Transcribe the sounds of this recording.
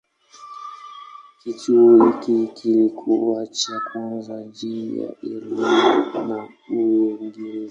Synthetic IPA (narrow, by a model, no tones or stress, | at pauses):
kit͡ʃuɔhikikilikʰuwat͡ʃakwanzad͡ʒija̰ʔɛlimɔna | uɛŋɡɛɾɛ